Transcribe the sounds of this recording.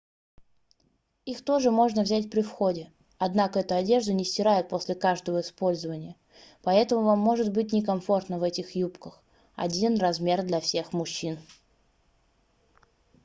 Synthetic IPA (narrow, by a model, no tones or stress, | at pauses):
ixt̪o̞ʐɨmo̞ʐnəvzʲætʲpɾʲɪfxo̞dʲɪ | ɐd̪nakəɛt̪ʊɐdʲe̞ʐd̪ʊnʲɪsʲtʲɪɾajɪt̪̚po̞sʲlʲɪkaʐd̪əvəɪspo̞lʲzəvənʲɪjə | pɐɛt̪əmʊvamːo̞ʐɨt̪̚bɨt̚ʲnʲɪkɐmfo̞rt̪nəvɛtʲɪxjupkəx | ɐ̰dʲinrɐzmʲe̞rd̪lʲɐfsʲe̞xmʊɕːin